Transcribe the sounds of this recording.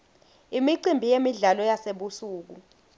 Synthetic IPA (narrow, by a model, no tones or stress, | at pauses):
imiǀimbʱijemiɮalɔjaseɓusuːk̬u